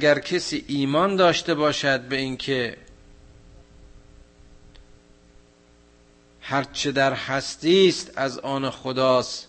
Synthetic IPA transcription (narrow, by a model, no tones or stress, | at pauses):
æɡæɾkʰesiːʔiːmɒːnd̪ɒːʃt̪ebɒːʃæd̪̚beiŋkʰe | hæɾt͡ʃʰed̪æɾhæst̪iːst̪æzɒːnexod̪ɒːs